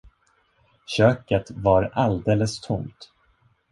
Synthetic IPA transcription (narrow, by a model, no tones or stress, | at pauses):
ɕøːkət̪vaɾald̪eːləst̪ʰʊŋt̪